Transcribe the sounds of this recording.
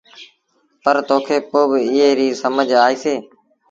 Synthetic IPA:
pəɾt̪oːkʰeːpoːbɪɪɦeːɾiːsəməd͡ʒʱaːiːseː

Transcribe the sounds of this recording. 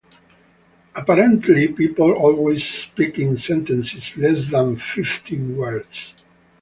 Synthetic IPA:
apaɾɛ̃nt̪ʰlipipəl̩ɔlwez̥spikɪ̃ŋsɛ̃nt̪ɛ̃nsɪslɛsðãnfɪft̪ʰĩnwɜɹds

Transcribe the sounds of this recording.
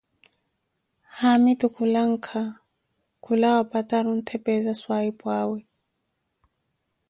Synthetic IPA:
hamitukʰulaŋ̩kʰa | kʰulawapʼatʼaɾun̩t̪ʰɛpʼɛzaswaipʼwaːwɛ

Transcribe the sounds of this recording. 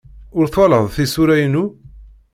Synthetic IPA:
ʊɾθwɑləðˤθisuɾæjənu

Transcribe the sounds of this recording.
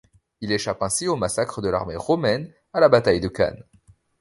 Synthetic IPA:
ileʃapɛ̃siomasakχəd̪əla̰ʁmeʁɔmɛn | alabat̪ajd̪əka̰n

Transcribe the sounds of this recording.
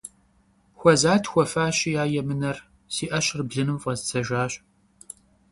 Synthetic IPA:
xʷɔzaːtʰxʷɔfaːɕijaːjɛmɨnɐr | siːʔɐɕɪrbɮɨnɨmfʼɐzɨt͡sʰɐʒʷaːɕ

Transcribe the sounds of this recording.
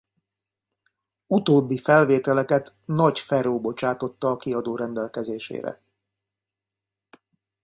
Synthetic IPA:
ut̪oːbːifɛlveːt̪ɛlɛkɛt̪nɒcfɛɾoːbo̞t͡ʃaːt̪o̞t̪ːɒːkiɒd̪oːɾɛnd̪ɛlkɛzeːʃḛːɾɛ̰

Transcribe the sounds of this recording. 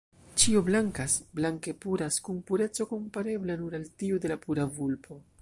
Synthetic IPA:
t͡ʃioblaŋkasblaŋke̞puɾaskunpuɾe̞t͡so̞ko̞mpaɾe̞blanuɾaltiud̪e̞lapuɾavulpʰo̞

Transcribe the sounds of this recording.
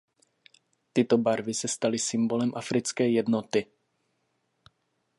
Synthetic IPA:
t̪ɪt̪obaɾvɪsɛst̪alɪsɪmbolɛmʔafɾɪt͡skɛjjɛd̪not̪ɪ

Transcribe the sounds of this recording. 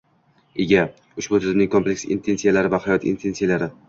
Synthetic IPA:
eɡʲa | ʊʃbʊt̪ʰɪzɪmnɪŋʲkʰomplekʲsḭnt̪ʰe̞nsijalaɾɪvahajɒt̪ḭnt̪ʰe̞nsijalaɾɪ

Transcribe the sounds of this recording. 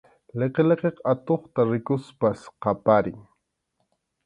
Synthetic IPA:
leqeleqeqat̪oχt̪aɾɪkʊspasqɑpaɾɪŋ

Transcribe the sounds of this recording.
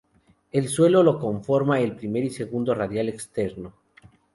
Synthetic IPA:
e̞lswe̞lo̞lo̞ko̞ɱfo̞ɾmaelpɾime̞ɾise̞ɣund̪o̞raðjale̞kst̪eɾno̞

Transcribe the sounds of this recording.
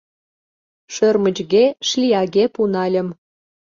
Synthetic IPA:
ʃørmə̆t͡ɕɣeʃlʲiɑɣepunɑlʲə̆m

